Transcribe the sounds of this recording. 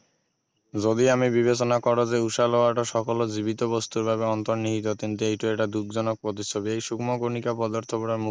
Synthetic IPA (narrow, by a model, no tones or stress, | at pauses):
d͡ʑod̪iamibiβet͡ɕonakɔɾod͡ʑeuʃalɔaʈaʃɔkolod͡ʑibit̪obost̪uɾbʱabeɔnt̪oɾniɦit̪̬ot̪int̪uejʈueʈad̪uk̚d͡ʑɔnok̚pɾot̪̬iʃʰobiejʃukmoɡonikapɔd̪oɾt̪ʰopɔɽaɾmu